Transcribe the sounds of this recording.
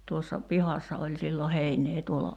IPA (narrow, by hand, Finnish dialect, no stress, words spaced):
tuosːɑ pihɑsːɑ olʲ silːo heinˑeː tuolɑ